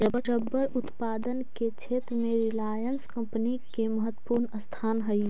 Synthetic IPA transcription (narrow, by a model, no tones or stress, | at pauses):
ɾəbəɾəbːəɾʊt̪paːd̪ənket͡ʃʰeːt̪ɾəmẽɾɪlaːjənskɐ̃mpnikemɐɦət̪ːwəpuɾnəst̪ʰaːnɦəi